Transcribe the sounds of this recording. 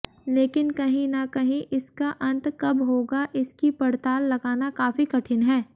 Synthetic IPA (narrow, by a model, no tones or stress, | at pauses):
leːkɪnkɐɦĩnakɐɦĩʔɪskaʔɐ̃nt̪kɐbɦoːɡaʔɪskipɐɽt̪aːlːɐɡaːnakaːfikɐʈʰɪnɦɛː